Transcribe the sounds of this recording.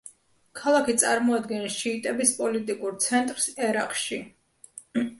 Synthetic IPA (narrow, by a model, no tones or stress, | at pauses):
kʰalˠakʰit̪sʼaɾmɔad̪ɡɛnʃiːt̪ʼɛbispʼɔlit̪ʼikʼuɾt̪sʰɛnt̪ʼɾsɛɾaqʼʃi